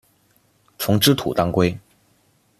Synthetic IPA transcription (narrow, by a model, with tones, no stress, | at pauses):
t͡sʰʊ˧˥ŋʈ͡ʂɻ̩˥t̪ʰṵ˨˩t̪ɑ˥ŋkwe˥ɪ